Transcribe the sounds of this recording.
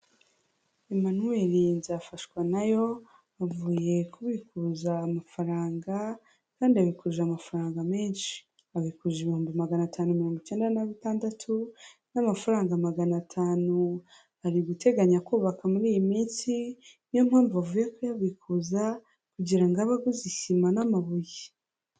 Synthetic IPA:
emanue̞ɾinzafaʃkwanajo̞ | avuːje̞kuβikuzaːmafaɾaːŋɡa | kaːndiaβikuʒamafaɾaːŋɡame̞ːnʃi̥ | aβikuʒeβihuːmbimaɡanatʰaːnumiɾo̞ːŋɡuce̞ːndanaβitaːndatʰu | namafaɾaːŋɡamaɡanatʰaːnu | aɾiɡute̞ɡaɲakuːβakamuɾiːjimiːnt͡sinjom̥haːmvuβavuːje̞kojaβiːkuːza | kuɟiɾaŋɡaβaɡuzisimanamaβuji

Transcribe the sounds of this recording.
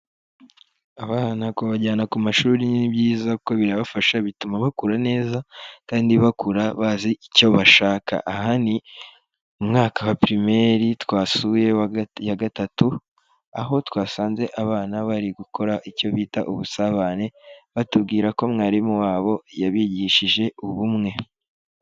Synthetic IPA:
aβaːnakoβaɟaːnakumaʃuːɾinibjiːzako̞βiɾaβafaʃaβitumaβakuɾane̞ːzakaːndiβakuɾaβaziico̞βaʃaːkʰa̰ʔahani | umŋaːkawapɾime̞ɾitwaːsuje̞jaɡatatu | a̰ɦo̞twaːsaːnze̞ʔaβaːnaβaɾiɡuko̞ɾaʔico̞βiːta̰ʔuβusaβane̞βatubɡiːɾako̞mŋaːɾimuwaːβo̞jaβiːɟiʃiʒe̞uβumŋe̞

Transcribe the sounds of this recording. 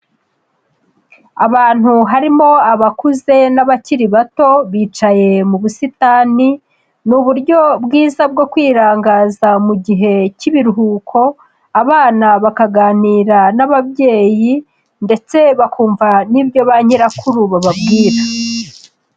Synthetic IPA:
aβaːn̥huɦaɾimo̞aβakuze̞naβaciɾiβato̞βiːt͡ʃaje̞muβusitaːni | nuβuɾɟo̞bɡiːzab̚ɡo̞kwiːɾaːŋɡaːzamuɟiɦe̞ciβiɾuɦuːkʰo̞ | aβaːnaβakaɡaːniːɾanaβaβje̞ːji | nde̞t͡se̞βakʰuːɱvanibjo̞βaɲeɾakʰuɾuβaβabɡiːɾa

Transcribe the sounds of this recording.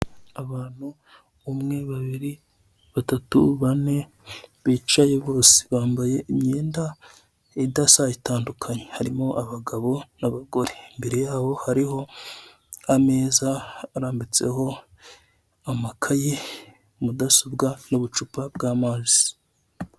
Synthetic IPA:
aβaːn̥huː | mŋe̞βaβiɾi | βatatṵβane̞ | βiːt͡ʃajeβo̞ːsi̥βaːmbaje̞imɲeːnda | idasajitaːndukʰaɲehaɾimo̞ʔaβaɡaβo̞naβaɡo̞ɾeimbe̞ɾe̞jaːβo̞haɾiɦo̞ | ame̞ːzaːɾaːmbit͡se̞̰ɦo̞ | amakʰaje | mudasobɡanoβut͡ʃupabɡaːmaːzi̥

